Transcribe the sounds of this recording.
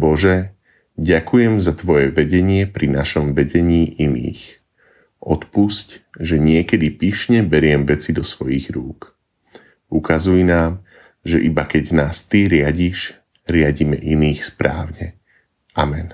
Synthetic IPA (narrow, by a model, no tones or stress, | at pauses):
bɔʒɛ | ɟakujɛmzat̪ʋɔjɛʋɛɟɛɲɪɛpɾinaʃɔmʋɛɟɛɲiːʔinḭːx | ʔɔt̪puscʒɛɲɪɛkɛd̪ipiʃɲɛbɛɾɪɛmʋɛt͡sid̪ɔsʋɔjiɣɾuːk | ukazujinaːm | ʒɛʔibakɛɟnaːst̪iɾɪaɟiʃ | ɾɪaɟimɛ̰ʔiniːxspɾaːʊɲɛ | ʔamɛn